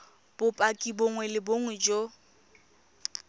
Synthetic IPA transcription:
b̥ʊpʼakʼiboŋwɛlɪboŋ̩d͡ʒo

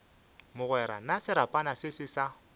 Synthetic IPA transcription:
mʊɣwɛɾanasɪɾapʼanasɪsɪsa

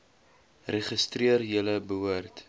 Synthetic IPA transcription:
reχəstriərjələbəɦuərt

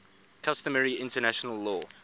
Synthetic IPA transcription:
kʰʌstəməɹiɪ̃ntənaʃənəlːɔː

